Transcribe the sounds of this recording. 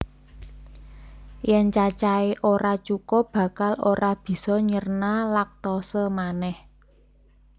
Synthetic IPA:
jɛnt͡ʃat͡ʃaeʔoɾat͡ʃukɔb̥ä̤kaloɾab̥i̤sɔɲərnalak̚t̪ɔsəmanɛh

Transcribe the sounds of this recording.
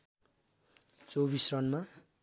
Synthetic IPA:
t͡sobisrʌnma

